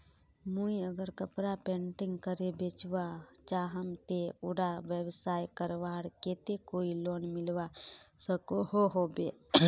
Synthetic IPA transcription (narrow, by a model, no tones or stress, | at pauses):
muiəɡəɾkəpɾapẽːɳʈɪ̃ŋɡkəɾebeːt͡ʃʋat͡ʃaɦəmt̪eʊɽaʋjəbsaːjkəɾʋaːɽkeːt̪ekoːiloːnmɪlʋasəkoɦoɦobeː